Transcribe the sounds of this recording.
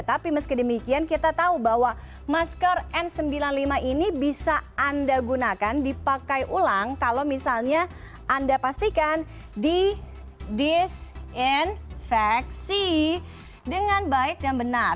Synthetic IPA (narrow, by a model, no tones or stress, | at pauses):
ət̪apiməskidəmikiankit̪at̪aubawa | maskərʔɛnsəmbilanlimaʔinibisaːndaɡunakandipakajʔulaŋkalowmisalɲa | andapast̪ikan | di | disinfɛksi | dəŋanbaɪk̪̚daŋbənar